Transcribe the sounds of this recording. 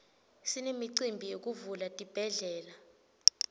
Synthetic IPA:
sinemiǀimbʱijok̬ʼuvulatʼib̥ʱɛɮɛːla

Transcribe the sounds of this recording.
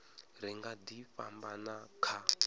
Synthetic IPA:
riŋɡadiɸa̰mbanakʰa

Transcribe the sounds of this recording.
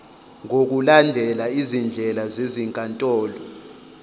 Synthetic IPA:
ŋok̬ulandʱɛlaizind͡ɮʱɛlazeziŋkʼantʼɔːlɔ

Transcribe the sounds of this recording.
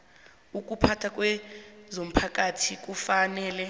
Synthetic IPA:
uk̬ʼupʰatʰak̬ʼwɛzom̩pʰak̬ʼatʰik̬ufanɛːlɛ

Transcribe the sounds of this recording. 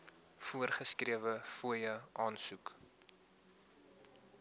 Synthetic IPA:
fuərχəskriəvəfuəjəʔɑːnsuk

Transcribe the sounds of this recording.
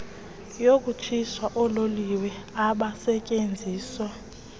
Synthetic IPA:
jok̬ʼut͡ʃʰiswaʔɔloliwɛ | aɓasɛcʼend͡zʱiːswa

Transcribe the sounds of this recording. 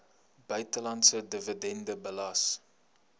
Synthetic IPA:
bœɥtəlɐntsədəvədɛndəbəlɐs

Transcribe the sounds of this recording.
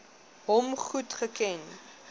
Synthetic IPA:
ɦɔmχutχəkɛn

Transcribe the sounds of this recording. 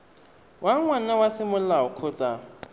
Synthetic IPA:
waŋwanawasɪmʊlaʊkʰʊt͡sʼa

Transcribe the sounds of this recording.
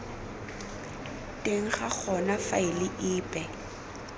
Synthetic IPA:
tʼeŋ̩χak͡xʰɔnafa̰ɪlɪʔɪːpʼɛ

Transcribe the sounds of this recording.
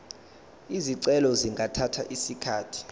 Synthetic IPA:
iziǀɛlɔziŋɡʱatʰatʰa̰ʔisikʰaːtʰi̥

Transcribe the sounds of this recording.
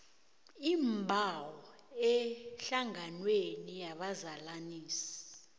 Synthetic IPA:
imbʱawɔ | ɛɬaŋanwenijaɓazalaniːsi̥

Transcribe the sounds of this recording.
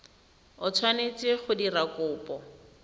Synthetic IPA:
ʊt͡sʰwanet͡seχʊdirakʊːpɔ

